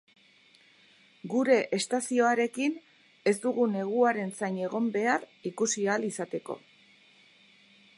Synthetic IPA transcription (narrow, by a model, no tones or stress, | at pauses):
ɡuɾe̞ʔest̪asio̞aɾe̞kin | e̞zd̪uɣune̞ɣ̞uaɾe̞nsajɲe̞ɣ̞o̞mbe̞arikusialisat̪e̞ko̞̰